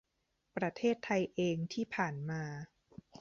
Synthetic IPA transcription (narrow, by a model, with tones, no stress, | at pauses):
pɾa˧t̪ʰeː˥˩t̪ʰːa˧jʔeː˧ŋt̪ʰiː˥˩pʰaː˨˩nmaː˧